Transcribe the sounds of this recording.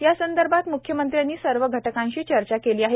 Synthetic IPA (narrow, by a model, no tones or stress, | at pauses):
jasənd̪əɾbʱat̪mukʰjəmənt̪ɾjanːiːsəɾʋəɡʱəʈəkãnɕiːt͡ɕəɾt͡ɕakeliːaɦe